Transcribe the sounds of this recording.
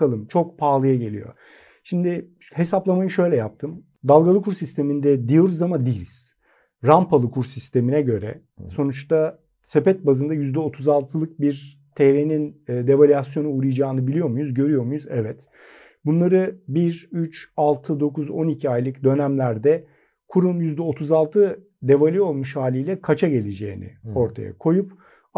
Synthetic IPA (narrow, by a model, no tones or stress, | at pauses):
alˠɯmt͡ʃʰo̞k̚pʰaːlˠɯjaɟe̞lʲḭjo̰ | ʃimd̪ɪ | he̞saplˠamajɯʃø̞jlʲɛjap̚t̪ʰɯm | d̪alˠɡalˠɯkʰuɾsist̪ʰe̞mind̪ɛd̪ijo̞ɾuzamad̪iːlʲiz̥ | ɾampʰalˠɯkʰuɾsist̪ʰe̞minɛɟø̞ɾɛ̰ | so̞nut͡ʃt̪a | sepɛt̪̚bazɯnd̪ajyzd̪ɛo̞t̪ʰuzalˠt̪ʰɯlˠɯk̚biɾ | t̪ʰeɾeninːd̪e̞valʲjasjo̞nuuɾɯjd͡ʒaːnɯbilʲijo̞ɾmujuzɟø̞ɾyjo̞ɾmujuzɛvɛt̪ | bunlˠaɾɯbiɾyt͡ʃalˠt̪ʰɯd̪o̞kuzo̞nicʰiajlˠɯcd̪ø̞næmlʲæɾd̪ɛ | kʰuɾumjyzd̪ɛo̞t̪ʰuzalˠt̪ʰɯ | d̪e̞valʲio̞lˠmuʃhaːlʲijlʲɛkʰat͡ʃʰaɟe̞lʲed͡ʒe̞ːinḭo̞ɾt̪ʰa̰ja̰kʰo̞jup